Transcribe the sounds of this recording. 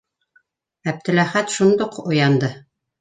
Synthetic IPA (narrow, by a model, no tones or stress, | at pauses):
æb̚t̪ɘ̆læχæt̪ʃund̪oqŏjɑnd̪ɤ